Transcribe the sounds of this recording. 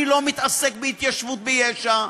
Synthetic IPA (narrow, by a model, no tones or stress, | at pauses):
ilo̞mit̪asek̚beit̪jaʃvut̪̚bejeʃa